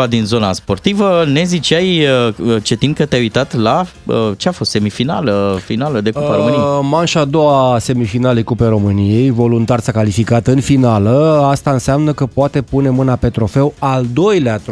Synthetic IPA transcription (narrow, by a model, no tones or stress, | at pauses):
ad̪inzo̞naspo̞rt̪ivəne̞zit͡ʃajəət͡ʃe̞t̪inkət̪eajujt̪at̪la | ət͡ʃeafo̞st̪se̞mifina̰ləfinaləd̪ekupaɾomnimanʃad̪o̞wase̞mifinalekupeɾo̞mɨnije̞jvo̞lunt̪arsakalifikat̪ɨnfinaləast̪aɨnseamnəkəpoat̪e̞pune̞mɨnape̞t̪ɾo̞fe̞wald̪o̞jleat̪